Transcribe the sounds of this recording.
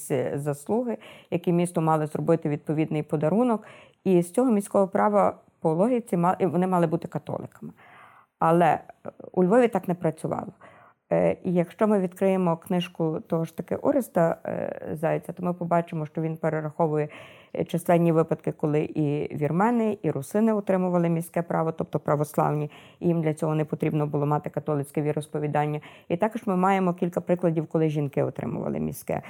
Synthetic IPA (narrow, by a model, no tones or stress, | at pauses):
zɐslˠuɦɪjɐkimʲist̪ɔmɑlˠɪzrɔbɪt̪ɪʋʲid̪̚pɔʋʲid̪nɪjpɔd̪ɐɾunɔk | ist͡sʲɔɦɔmʲisʲkɔɦɔpɾɑʋɐ | pɔɔlˠɔɦit͡sʲimʋɔnɪmɑlˠɪbut̪ɪ̥kɐt̪ɔ̰lˠɪ̰kɐ̥mɪ | ɐlˠɛ̰ṵlʲʋɔʋʲit̪ɑknɛpɾɐt͡sʲʊʋɑ̰lˠɔ | ijɐkʃt͡ʃɔmɪʋʲid̪̥̚kɾɪjemɔknɪʃkʊt̪ɔɦɔʃt̪ɐkɪ̰ʔɔɾɪst̪ɐzɑjet͡sʲːɐt̪ɔmɪpɔbɑt͡ʃemɔʃt͡ʃɔʋʲinpeɾeɾɐxɔʋʊjɛt͡ʃɐslˠɛnʲnʲːiʋɪpɐd̪kɪkɔlˠɪʔiʋʲirmɛnɪiɾʊsɪnɪɔt̪ɾɪmʊʋɐlˠɪmʲisʲkɛpɾɑ̰ʋɔt̪ɔp̚t̪ɔpɾɐʋɔslˠɑ̰wnʲi | jimd̪lʲɐt͡sʲɔɦɔnɛpɔt̪ɾʲibnɔbʊlˠɔmɑt̪ɪkɐt̪ɔlˠɪt͡sʲkɛʋʲiɾɔspɔʋʲid̪ɑnʲːɐit̪ɑkɔʒmɪmɑjemɔkʲilʲkɐpɾɪklˠɐdʲiwkɔlˠɪʒʲinkɪɔt̪ɾɪ̰mʊ̰ʋɐ̰lˠɪ̰mʲḭsʲkɛ̰